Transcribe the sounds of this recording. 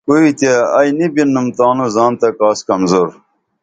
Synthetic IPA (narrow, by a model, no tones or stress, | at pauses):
koit̪eɐjnibinːumt̪aːnuzaːnt̪ɐkaːskɐmzoːɾ